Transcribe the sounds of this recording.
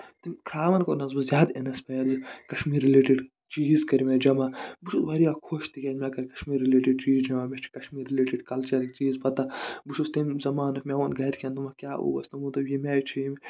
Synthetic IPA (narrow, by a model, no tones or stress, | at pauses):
t̪imkʰɾaːʋɐnkonɐzbɐzʲjaːd̪enɐspɐjɐɾzkɐʃmiːɾileːʈiɖ | t͡ʃiːzkɐɾʲmʲed͡ʒɐmabuʃʰusbɐɾiakʰoːʃt̪ikʲeːnmʲakɐɾʲkɐ̥ʃmiːɾːileːʈiɖ̚t͡ʃiːzd͡ʒɐmaːmʲet͡ʃʰi̥kɐʃmiːɾileːʈiɖkɐlt͡ʃɐɾt͡ʃiːzpɐt̪ɐbuʃʰust̪emzɐmaːnɐkmʲewonɡɐɾʲkʰʲẽnd̪umɐkʲjaːʔṵːbɐ̰st̪ɐmut̪ɐjimʲaːjt͡ʃʰijim